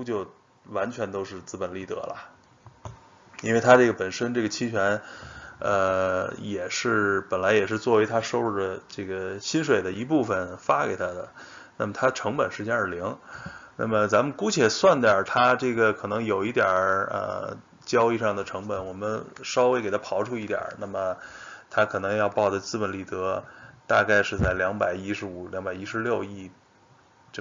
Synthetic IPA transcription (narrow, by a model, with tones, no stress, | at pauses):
u˥t͡ɕjo˥˩˧ʊ | wa˧˥nt͡ɕʰɥɛ˧˥nt̪o˥ʊʂɻ̩˥˧t͡sɹ̩˥˧pə˨˩nli˥˩t̪ɤ̰˧˥lə̰˨˩ | i˥nwe˥˩ɪt̪ʰa˥ʈ͡ʂɤ˥˩ɡə˩pə˨˩nʂə˥nʈ͡ʂɤ˥˩ɡə˩t͡ɕʰi˥t͡ɕʰɥɛ˧˥n | ə˧jɛ˨˩ʂɻ̩˥˩pə˨˩nla˧˥ɪjɛ˨˩ʂɻ̩˥˧t͡swɔ˥˩we˧˥ɪt̪ʰa˥ʂo˥˧ʊɻu˥˩d̪ə˩ʈ͡ʂɤ˥˩ɡə˩ɕi˥nʂwe˨˩ɪd̪ə˦i˧˥p̬u˥˩fə˩nfa˥ke˨˩ɪt̪ʰa˥d̪ə˨ | na̰˥˩mə˩t̪ʰa˥d̪ə˩ʈ͡ʂʰɤ˧˥ŋpə˨˩nʂɻ̩˥˧˥ja˞˥˩li˧˥ŋna̰˥˩mə˩t͡sa˧˥nmə˨nku˥t͡ɕʰjɛ˨˩swa˥˩nt̪jə˞˨˩t̪ʰa˥ʈ͡ʂɤ˥˩ɡə˩kʰɤ˨˩nɤ˧˥ŋjo˨˩ʊi˥˩t̪jɐ˞˨˩ə̰˧ | t͡ɕjɑ˥ʊi˥˧ʂɑ˥˩ŋd̪ə˩ʈ͡ʂʰɤ˧˥ŋpə˨˧˩nwɔ˨˩mə˦nʂɑ˥ʊwe˧˥ke˨˩ɪt̪ʰa˥pʰɑ˧˥ʊʈ͡ʂʰu˥i˥˩t̪jɑ̰˨˩na˥˩mə˩t̪ʰa˥kʰɤ˨˩nɤ˧˥ŋjɑ˥˧ʊpɑ˥˩ʊʈ͡ʂə˩t͡sɹ̩˥˩pə˧˩nli˨˩t̪ɤ˧˥t̪a̰˥˧ka˥˧ɪʂɻ̩˥˧t͡sa˥˩ɪljɑ˧˥ŋpa˨˩ɪi˥ʂɻ̩˧˥u˨˩˦ljɑ˧˥ŋba˨˩ɪi˥ʂɻ̩˧˥ljo˥˧ʊi˥˩˧ | ʈ͡ʂ